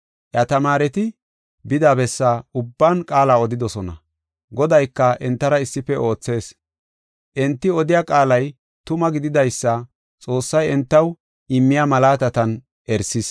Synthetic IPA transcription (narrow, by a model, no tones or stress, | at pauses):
ʔjɐt̪ɐmaːɾɛt̪ɪ | bɪd̪aːbɛsːaʊbːankʼaːlaːɔd̪ɪd̪ɔsɔnɐ̰ | ɡɔd̪ɐjkːɐʔɛnt̪ːɐɾɐɪsːɪfɛʔo̞ːt͡sːe̞ːs | ʔɛnt̪ːɪɔd̪ɪjaːkʼaːlɐj | t̪ʊmɐɡɪd̪ɪd̪ɐjsːɐ | t͡sʼo̞ːsːɐjɛnt̪ːɐw | ʔɪmːɪjamɐlaːt̪ɐt̪ɐn | ʔɛɾsɪs